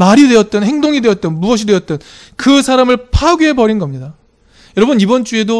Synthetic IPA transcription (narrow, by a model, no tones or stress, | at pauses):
maɾidwe̞ʌt̚t͈ʌnɦeŋdoŋidwe̞ʌt̚t͈ʌnmuʌɕ̬ʰidwe̞ʌt̚t͈ʌn | kɯsʰaɾamɯɭpʰaɡie̞bʌɾinɡʌmɲida | jʌɾʌbɯnibʌnt͡ɕ͈ue̞do